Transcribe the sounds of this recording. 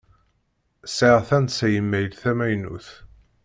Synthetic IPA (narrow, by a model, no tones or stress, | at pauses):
səʁθænt̪sæjəmːæjəlθæmæjnṵθ